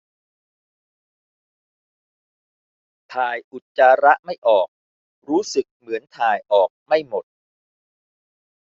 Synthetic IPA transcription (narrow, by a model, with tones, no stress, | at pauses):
t̪ʰaː˨˩jʔu˨˩t̪̚t͡ɕaː˧ɾa˦˥ʔma˥˩jʔɔː˨˩k̚ | ɾuː˦˥sɯ˨˩k̚mɯ˩˦ənt̪ʰaː˨˩jʔɔː˨˩k̚ma˥˩jmo˨˩t̪̚